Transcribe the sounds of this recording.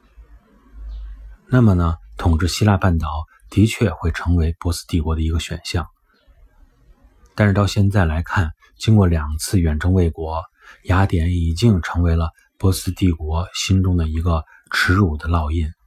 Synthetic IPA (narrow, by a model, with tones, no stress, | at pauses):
na˥˩mə˩nə˩t̪ʰʊ˨˩ŋʈ͡ʂɻ̩˥˩ɕi˥la˥˧pa˥˩nt̪ɑ˨˩˦ʊ | t̪i˧˥t͡ɕʰɥɛ˥˧xwe˥˩ɪʈ͡ʂʰɤ˧˥ŋwe˧˥ɪpwɔ˧˥sɹ̩̥˥t̪i˥˩kwɔ˧˥d̪ə˧i˧˥ɡə˧ɕɥɛ̰˨˩nɕjɑ˥˩ŋ | t̪a˥˧ʂɻ̩˥˧t̪ɑ˥˧ʊɕjɛ˥˧nt͡sa˥˩ɪla˧˥ɪkʰa˥˩n | t͡ɕi˥ŋkwɔ˥˩ljɑ˨˩ŋt͡sʰɹ̩˥˩ɥɛ˨˩nʈ͡ʂɤ˥ŋwe˥˩ɪkwɔ˧˥ | ja˧˥t̪jɛ˨˧˥ni˨˩t͡ɕi˥˩ŋʈ͡ʂʰɤ˧˥ŋwe˧˥ɪlə˧ | pwɔ˧˥sɹ̩˥˧t̪i˥˩kwɔ˧˥ɕi˥nʈ͡ʂʊ˥ŋd̪ə˨i˧˥ɡə˧ | ʈ͡ʂʰɻ̩˧˥u˨˩d̪ə˦lɑ˥˧ʊi˥˩n